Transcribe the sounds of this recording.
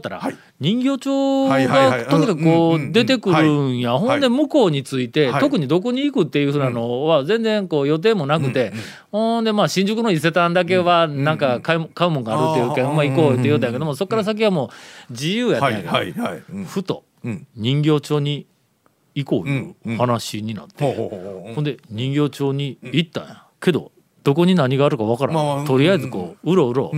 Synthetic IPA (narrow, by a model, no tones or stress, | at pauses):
t̪ːaɾa̰ | ɲ̟ĩŋɡʲo̞ːt͡ɕoːɡat̪oɲ̟ikakɯkoːd̪e̞t̪e̞kɯ̟ɾɯ̟ɰ̃jahõ̞nd̪e̞mɯ̟ko̞ːɲ̟it͡sɨit̪e̞t̪o̞k̬ɯ̟ɲ̟id̪o̞ko̞ɲ̟iːkɯ̟t̪ːe̞jɯ̟ɸɯ̟ːnano̞βad͡zẽ̞nd͡zẽ̞ŋko̞ːjo̞t̪̬e̞ːmo̞nakɯ̟t̪e̞ | hõd̪e̞maːɕĩɲ̟d͡ʑɨkɯno̞ise̞t̪ãnd̪ak̬e̞βanãŋkakakaɯmo̞ŋɡaːɾɯ̟t̪ːe̞jɯkamaikoːt̪ejot̪ajake̞d̪omso̞kːaɾas̬ak̬ʲiβamo̞ːd͡ʑijɯːjae | ɸɯ̟t̪o̰ | ɲ̟ĩŋɡʲo̞ːt͡ɕo̞ːɲ̟i | iko̞̰ːɯ̰hanaɕiɲ̟ina̰t̪ːehõnd̪e̞ɲ̟ĩŋɡʲo̞ːt͡ɕo̞ːɲ̟iit̪ːã̰jãke̞d̪o̞̰ | d̪̥o̞ko̞ɲ̟inaɲ̟iɡaːɾɯ̟kaβakaɾã̰t̪o̞ɾʲijaizɨko̞̰ːɯɾo̞ɯ̟ɾo̞̰ː